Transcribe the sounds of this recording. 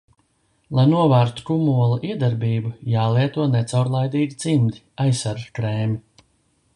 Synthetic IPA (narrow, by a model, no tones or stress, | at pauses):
lˠajnuɔvæːɾt̪u̥kumuɔlˠaʔiɛd̪aɾbiːbujaːlˠiɛt̪uɔnɛt̪sawɾlˠajd̪iːɡʲit̪simd̪iajsaɾkɾɛːmʲi